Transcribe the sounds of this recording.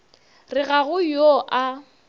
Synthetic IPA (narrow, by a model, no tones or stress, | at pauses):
rɪɣaɣʊjoʔa